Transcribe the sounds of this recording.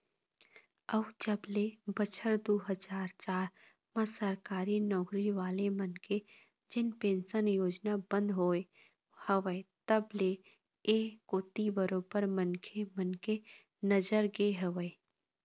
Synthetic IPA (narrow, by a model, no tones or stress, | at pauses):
əʋd͡ʒəblebət͡ʃʰəɾd̪oːɦəd͡ʒaːɾt͡ʃaːɾ | mãsəɾkaːɾinɔːkɾiʋaːlemənke | d͡ʒɪnpẽːnsənjoːd͡ʒnabə̃nd̪ɦoːe | həʋəet̪əble | ekoːt̪ibəɾoːbəɾmənkʰemənke | nəd͡ʒəɾɡeɦəʋəe